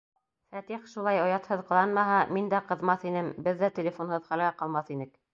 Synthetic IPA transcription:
fæt̪iχʃulˠɑjŏjɑt̪hɤðqɤ̆lˠɑnmɑɦɑmind̪æqɤ̆ðmɑθinɘmbɘ̆ðːæt̪ʲĕlʲefonhɤðχælɡæqɑlˠmɑθinɘk

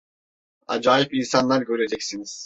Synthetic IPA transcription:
a̰d͡ʒaːjipinsanlˠaɾɟø̞ɾed͡ʒɛcsiniz̥

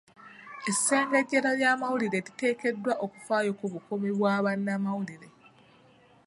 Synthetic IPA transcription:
e̞sːe̞ːŋɡeɟːeɾaɾjaːmawuliɾe̞ɾite̞ːke̞dːwaʔoku̥faːjo̞kuβukomiβwaːβanːamawuliɾe̞

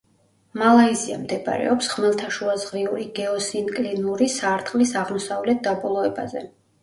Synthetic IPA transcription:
malˠaizia̰md̪ɛba̰ɾɛ̰ɔpsʁmɛlˠt̪ʰaʃuazʁɾiuɾiɡɛɔsinkʼlinuɾisaɾt̪ʼχqʼlisaʁmɔsavlɛt̪̚d̪abɔlˠɔɛba̰zɛ̰

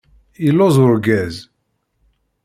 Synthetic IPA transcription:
ilːozʊɾɡæz

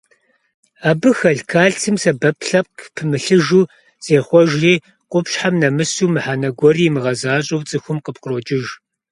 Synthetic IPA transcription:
aːbɨxɐɬkʰaːɬtʰɨmsɐbɐpʰɬɐp̚kʰpʰɨmɨɬɨʒuː | z̥eːχʷɔʒriː | qʷʼʊpʃħamnɐmɨsuːmɨħaːnɐɡʷɔriːmɨʁɐzaːɕʼowt͡sʼɨxʷʊmqəp̚qəroːt͡ʃʼɪʒ

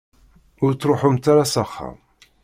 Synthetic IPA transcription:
ʊɾt͡sːɾoħʊmt̪aɾasaχːa̰m

